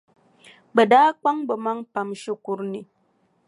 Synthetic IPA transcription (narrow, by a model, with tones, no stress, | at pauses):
bə˨daː˦k͡pa˦ŋbə˨ma˦ŋpa˨mʃi˦kʷu˦ɾni˨